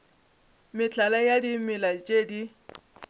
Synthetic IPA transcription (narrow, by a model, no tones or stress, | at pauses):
mɪt͡ɬalajadimɪlad͡ʒʼedi